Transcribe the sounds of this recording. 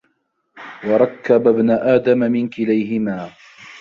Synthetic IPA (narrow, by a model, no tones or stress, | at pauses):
wɑɾˤɑkːababnaʔaːd̪amamɪnkɪlajɦɪmaː